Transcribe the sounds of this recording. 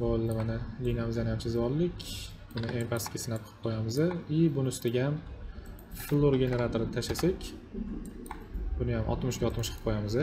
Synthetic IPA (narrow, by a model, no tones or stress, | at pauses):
bolˠːɪmanɪlinamɪzanɪjamsɪzɪvɒlˠːɪkʲ | b̥ʊnɪʔeŋpʰaskʲasɪnap̚ʰɨ̥p̚qʰojamɪzd̪ɪɪbʊnɪʊst̪aɡʲaam | flˠːoɾɡʲe̞ne̞ɾat̪ʰoɾɪnɪt̪ʰaʃasakʲ | b̥ʊnɪjamʔɒ̰t̪mʊʃɡʲaɒt̪mʊʃʰɨ̥p̚qʰojamɪzɪ